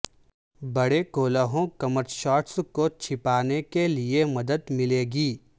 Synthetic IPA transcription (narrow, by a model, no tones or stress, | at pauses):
bɐɽekoːləɦõkɐməɾʃɔːʈskot͡ʃʰɪpaːnekeliemɐd̪əd̪mɪleːɡiː